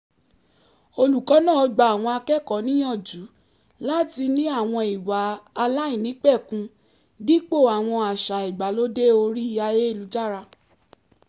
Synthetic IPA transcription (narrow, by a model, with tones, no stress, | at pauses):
o˧lu˨kɔ˨˦nã˦˨ɔ˧ɡ͡ba˧˨a˨w̃ɔ̃˧a˧kɛ˦˨kɔ˨˦nĩ˦j̃ɔ̃˦˨d͡ʒu˨˦ | la˦ti˧nĩ˦a˦˨w̃ɔ̃˧i˨waː˨˦˧la˦ĩ˦˨nĩ˨˦k͡pɛ˦˨kũ˧˦ | di˦k͡po˦˨a˨w̃ɔ̃˧a˨ʃa˨i˨ɡ͡ba˨˦lo˦de˦o˧ɾi˦i˦˨ja˧je˦i˦˨lu˨˦d͡ʒa˦˨ɾa˧